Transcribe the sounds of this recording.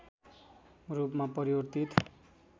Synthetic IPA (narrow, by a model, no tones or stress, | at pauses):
rupmapʌɾiwʌrt̪it̪